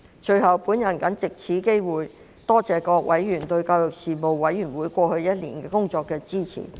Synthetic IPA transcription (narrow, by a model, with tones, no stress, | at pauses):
t͡ʃɵ˧ɥɦɐ˨˩wpuː˨˥njɐ˨˩nkɐ˨˥nt͡sɪ˨k̚t͡sʰiː˨˥ke˥jwuː˨j | t̪ɔː˥t͡sɛː˨˩kɔː˧k̚wʔɐ˨˥jːyː˨˩nt̪ɵ˧ɥkaː˧wjʊ˨k̚siː˨mo˨wːɐ˨˥jɥyː˨˩nwuː˨˥jkʷɔː˧hɵ˧ɥjɐ˥t̚lḭː˨˩nkɛː˧kʊ˥ŋt͡ʃɔː˧kːɛː˧t͡siː˥t͡sʰḭː˨˩